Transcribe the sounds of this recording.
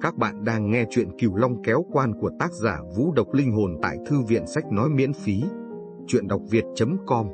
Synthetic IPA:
kaː˦˥k̚ɓa̰ː˧˨nɗaː˧ŋːɛ˧t͡ɕwḭ˧˨ənki˧˩əwla˧wŋ͡mkɛ˨˦wkwaː˧nku˧˩ət̪aː˦˥k̚zaː˧˩vṵ˧˥ɗə˨˩wk͡p̚lï˧ŋ̟ɦo˨˩nt̪a̰ː˧˨jt̪ʰɨ˧vḭ˧˨ənsa˦˥jk̟̚nɔ˨˦jmḭ˧˥ənfi˨˦ | t͡ɕwḭ˧˨ənɗa˨˩wk͡p̚vi˨˩ət̚t͡ɕə˨˦mkɔ˧m

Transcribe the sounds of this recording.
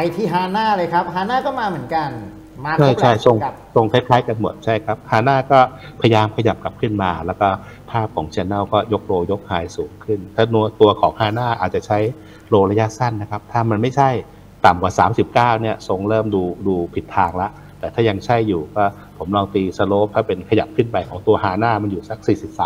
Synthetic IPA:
a˧jt̪ʰiː˥˩ɦaː˧naː˥˩lɤː˧jkʰa˦˥p̚ɦaː˧naː˥˩kɔː˥˩maː˧mɯ˩˦ənka˧n | maː˧a˥˩jʰa˧˥˩jso˧ŋ˧ | so˧ŋkʰa˦˥jkʰlaː˦˥jka˧nmo˨˩t̪̚t͡ɕʰa˥˩jkʰa˦˥p̚haː˧naː˥˩kɔː˥˩ | pʰa˧ja˧jaː˧mkʰa˧ja˨˩p̚ka˨˩p̚kʰɯ˥˩nmaː˧lɛː˦˥wkɔː˥˩ | pʰaː˥˩p̚kʰɔː˩˦ŋt͡ɕʰi˧nːa˥˩wkɔː˥˩jo˦˥k̚ɾoː˧jo˦˥k̚haː˧jsuː˩˦ŋkʰɯ˥˩nt̪ʰaː˥˩nu˧t̪u˧ɐkʰɔː˩˦ŋhaː˧naː˥˩ʔaː˨˩t̪̚t͡ɕa˨˩t͡ɕʰa˦˥j | ɾoː˧ɾa˧ja˦˥sa˥˩nːa˦˥kʰa˦˥p̚t̪ʰaː˥˩ma˧nma˥˩jt͡ɕʰa˥˩j | t̪a˨˩mkwaː˨˩saː˩˦msi˨˩p̚kaː˥˩wni˥˩ɐso˧ŋɾɤː˥˩mduː˧duː˧pʰi˨˩t̪ʰːaː˧ŋla˦˥ʔ | t̪ɛː˨˩t̪ʰaː˥˩ja˧ŋt͡ɕʰa˥˩jːuː˨˩kɔː˥˩ | pʰo˩˦mlɔː˧ŋt̪iː˧sa˧loː˦˥p̚t̪ʰaː˥˩pe˧nkʰa˧ja˨˩p̚kʰɯ˥˩npa˧jkʰɔː˩˦ŋt̪u˧ɐhaː˧˥naː˥˩ma˧njuː˨˩sa˦˥k̚siː˨˩si˨˩p̚saː˨˦m

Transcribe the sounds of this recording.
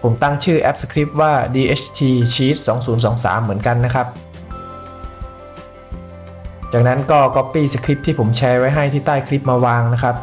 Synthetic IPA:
pʰo˩˦mt̪a˥˩ŋt͡ɕʰɯː˥˩ʔɛ˦˥p̚sḁ˧kʰɾi˦˥p̚waː˥˩diː˧ʔeː˦˥t͡ɕʰt̪ʰiː˧t͡ɕʰiː˦˥t̪̚sɔː˩˦ŋsuː˩˦nsɔː˩˦ŋsa̰ː˩˦mːɯ˩˦ənka˧nːa˦˥kʰa˦˥p̚ | t͡ɕaː˨˩k̚na˦˥nkɔː˥˩kɔ˦˥pːiː˥˩sa˧kʰɾi˦˥p̚t̪ʰiː˥˩pʰo˩˦mt͡ɕʰɛː˧wa˦˥jɦa˥˩jt̪ʰiː˥˩t̪aː˥˩jkʰɾi˦˥p̚maː˧waː˧ŋna˦˥kʰɾa˦˥p̚

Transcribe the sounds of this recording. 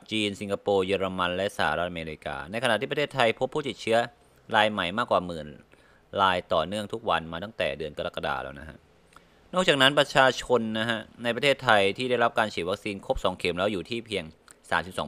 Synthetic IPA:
t͡ɕiː˧nsi˨˧˦ŋkʰa˧poː˧jɯː˧ɾa˧ma˧nlɛ˦˥ʔsa˧˩a˧˩ɾa˦˥t̪̚ʔa˧meː˧ɾi˧ka̰ː˧na˧jkʰa˧na˨˩ʔ̪ʰiː˥˩pɾʰe˥˩t̪ʰːa˧jpʰo˦˥pʰːuː˥˩i˨˩t̪̚t͡ɕʰɯ˦˥ɐ | laː˧jma˨˩jmaː˥˩kwaː˨˩mɯː˨˩n | ɾaː˧jt̪ɔ̰ː˨˩nɯ˥˩əŋt̪ʰu˦˥k̚wa˧nmaː˧t̪a˥˩ŋt̪ɛ̰ː˨˩dɯ˧ənka˧ɾa˦˥˩kːa˧da̰ː˨˩lɛ̰ː˧˩wna˦˥kʰa̰˦˥ʔ | nɔ˥˩k̚t͡ɕaː˨˩k̚na˦˥npɾa˧t͡ɕʰaː˧t͡ɕʰo˧nːa˦˥kʰa˦˥ʔna˧jp̬ɾa˧t̪ʰeː˥˩t̪ʰːa˧jt̪ʰiː˥˩da˥˩jɾa˦˥p̚kaː˧nt͡ɕʰiː˨˩wa˦˥k̚siː˧nkʰo˦˥p̚sɔː˩˦ŋkʰe˩˦mlɛː˦˥wjuː˨˩t̪ʰiː˥˩pʰiː˧əŋ | sa̰ː˩˦msi˨˩sɔː˩˦

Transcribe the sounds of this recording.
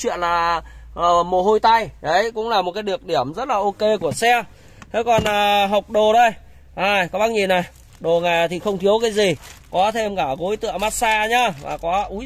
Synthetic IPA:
t͡ɕwḭ˧˨ənlaː˨˩ʔəː˨˩mo˨˩ho˧jt̪a˧jɗə˨˦jkʊ̰˧˥ŋ͡mlaː˨˩mo˨˩t̚kaː˨˦ɗɨ˨˩ək̚ɗi˧˩əmzə˦˥t̚laː˨˩ʔo˧ke˧ku˧˩əsɛ˧ | t̪ʰe˨˦kɔ˨˩nʔə˨˩ɦa˨˩wk͡p̚ɗo˨˩ɗə˧j | ʔaː˨˩jkɔ˨˦ɓaː˧nɲi˨˩na˨˩j | ɗo˨˩ŋa˨˩t̪ʰi˨˩xə˧wŋ͡mt̪ʰi˨˦əwkaː˨˦jzi˨˩kɔ˨˦t̪ʰe˧mkaː˧˩ɣo˨˦jt̪ɨ̰˧˨maː˦˥t̚saː˧ɲa˧va̰ː˨˩kɔ˨˦ʔu˨˦

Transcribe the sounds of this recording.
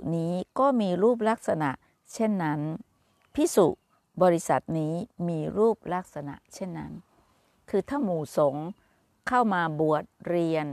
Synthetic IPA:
niː˦˥kɔː˥˩miː˧ɾuː˥˩p̬̚la˦˥k̚sa˧na̰˨˩ʔ | t͡ɕʰe˥˩nːa˦˥n | pʰi˦˥˩sṵ˨˩ | bɔː˧ɾi˦˥sa̰˨˩t̪̚niː˦˥miː˧ɾuː˥˩p̚la˦˥˩k̚sa˧na̰˨˩ʔt͡ɕʰe˥˩nːa̰˦˥n | kʰɯː˧t̪ʰaː˥˩muː˨˩so˩˦ŋ | kʰa˥˩wmaː˧bu˨˩ət̪̚ɾi˧ən

